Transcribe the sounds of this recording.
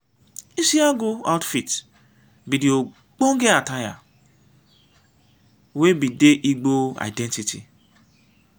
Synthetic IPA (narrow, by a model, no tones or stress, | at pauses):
isiaɡoa̰wtfit | bidio | ɡ͡boŋ̩ɡeataja̰ | webideʔiɡ͡boa̰jdɛntitʰḭ